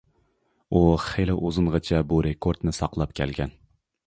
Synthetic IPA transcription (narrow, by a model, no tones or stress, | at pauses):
uχelɪʔozɨɴʁɑt͡ʃʰɛbuɾekʰoɾd̪nɪsɑqlˠɑp̚kʲʰæ̰lɡʲɛn